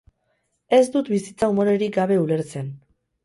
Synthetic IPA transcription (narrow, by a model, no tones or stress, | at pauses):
e̞zd̪ut̪bisit͡saumo̞ɾe̞ɾiɡaβe̞ule̞ɾt͡se̞n